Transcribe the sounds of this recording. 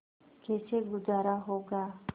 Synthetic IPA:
kʰeːt͡ʃʰeɡʊzaːɾaɦoɡaː

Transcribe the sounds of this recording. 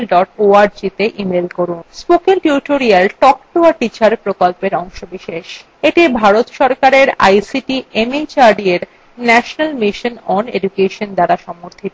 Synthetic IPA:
lɖɔʈoaɾd͡ʑit̪eʔimelkoɾunspokelʈuɾʈoɾialʈɔk̚ʈoaʈit͡ɕaɾpɾokolpeɾɔŋʃobiʃeʃ | eʈibʱaɾot̪ʃɔɾkaɾeɾa̰jsiʈiʔemet͡ɕaɾɖieɾ | nɛʃonalmiʃonɔnḛdukeʃond̪aɾaʃɔmoɾt̪ʰit̪

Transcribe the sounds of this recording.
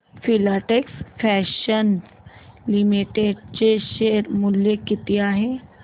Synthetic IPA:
fʰɪlaːʈeksfʰɛːʃəns | lɪmiʈeɖt͡ʃeʃeːɾmʊljekɪt̪ijaɦɛ̃

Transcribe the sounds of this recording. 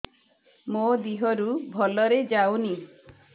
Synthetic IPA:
mod̪iɦɔɾubʱɔlɔɾed͡ʒawni

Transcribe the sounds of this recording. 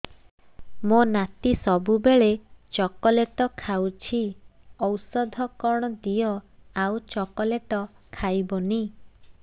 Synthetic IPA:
monat̪isɔbubeɭet͡ʃɔkɔleʈɔkʰawt͡ʃʰi | ɔwsɔd̪ʱɔkɔɽ̃ɔd̪ijɔawt͡ʃɔkɔleʈɔ | kʰajbɔni

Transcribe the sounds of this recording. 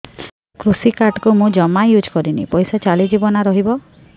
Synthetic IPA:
kɾusikaɾʈkumũd͡ʒɔmajud͡ʒkɔɾinḭpɔjsɔt͡ʃalid͡ʒibɔnaɾɔɦibɔ

